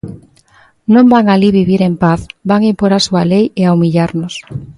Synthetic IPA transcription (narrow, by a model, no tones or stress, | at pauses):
nõmbaŋaliβiβiɾempaθbaŋimpoɾasualejeaumiʎaɾnʊs